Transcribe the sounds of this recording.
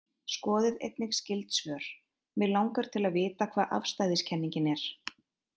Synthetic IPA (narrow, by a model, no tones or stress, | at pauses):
skɔːðɪðḛjt̪̚nɪxscɪlt̪svœːɾ̥ | mɪðlawŋkaɾ̥t̪ʰɪlaðvɪːt̪akʰvaːðʔa̰fst̪aːjðɪscʰɛnːiɲcɪnɛɾ̥